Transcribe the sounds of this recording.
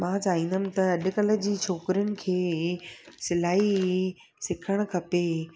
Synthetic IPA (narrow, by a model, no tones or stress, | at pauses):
mãːt͡ɕaːʋĩːnd̪əmɪ̃t̪ɐɐɗ̆kɐlə̆d͡ʑiːt͡ɕʰoːkɾijənɪ̆kʰeː | sɪlaːi | sɪkʰəɽ̃̆kʰɐpe